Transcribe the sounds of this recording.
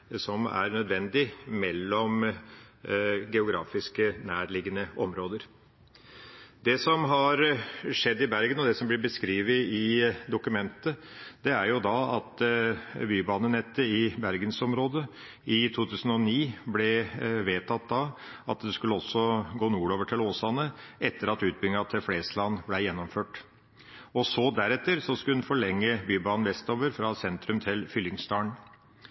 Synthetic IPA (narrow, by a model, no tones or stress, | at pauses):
sɔmæ̰ɾnœd̪ʋɛnd̪ɪmɛlːɔm | ɡɛʊɡɾɑ̰ːfɪskənæːɾɭɪɡənəɔmɾoːd̪əɾ | d̪ɛsɔmɦɑɾʂɛd̪ːɪbæɾɡənɔd̪ɛsɔmblɪbəskɾiːʋəɪd̪ʊkʉmɛnt̪əd̪̥ɛæɾjʊd̪ɑɑt̪ | byːbɑːnənɛt̪ːəɪbæɾɡənsɔmɾoːd̪ə | ɪt̪ʰuːt̪ʰʉːsən̩ɔniːblɛʋeːt̪ʰɑt̪̚d̪ɑ | ɑt̪d̪ɛskʉlːəɔsːɔɡoːnuːɾoːʋəʈʰɪloːsɑnəʔɛt̪ːəɾɑt̪ʉːt̪̚bʏŋɑt̪ʰɪlfleːslɑnːblæjɛnːɔmføːʈ | ɔsɔd̪æɾɛt̪ːəɾsɔskʉlnfɔɭɛŋːəbyːbɑːn̩ʋɛst̪oːʋəɾfɾɑsɛnt̪ɾʉmt̪ʰɪlfʏlːɪŋst̪ɑːɳ